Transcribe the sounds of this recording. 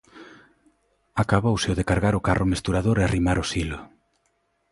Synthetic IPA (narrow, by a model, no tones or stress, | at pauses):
akaβowseʊðekaɾɣaɾʊkarʔʊmest̪uɾaðoɾearimaɾʊsilʊ